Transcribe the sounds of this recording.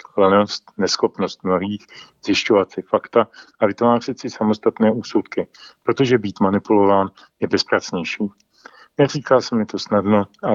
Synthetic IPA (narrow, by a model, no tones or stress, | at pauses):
lɛno̞st̪nɛsxo̞pno̞st̪̚mlaviːxz̥jɪʃcovatt͡sɪfakt̪aʔavɪt̪vaːrɪt͡sɪsamo̞st̪at̪nɛːuːsut̪kɪpɾo̞t̪o̞ʒɛbiːt̪manɪpulo̞vaːn | jɛbɛspɾat͡sɲɛjʃiː | nɛriːkalsɛmɪt̪o̞snadno̞ʔa